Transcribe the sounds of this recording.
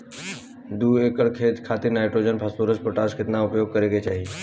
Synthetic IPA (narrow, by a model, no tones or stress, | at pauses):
d̪uːeːkəɽkʰet̪kʰaːt̪ɪɾnaːɪʈɾoːd͡ʒənpʰəspuːɾəspoʈaːskɪt̪naʊpjoːɡ̚kɐɾeɡet͡ʃaːɦie